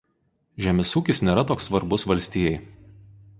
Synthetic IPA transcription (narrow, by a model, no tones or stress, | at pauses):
ʒʲæmʲɛsuːkʲɪsnʲeːɾɐt̪oːksːʋɐɾbʊsʋɐlʲsʲt̪ʲiːjɛɪ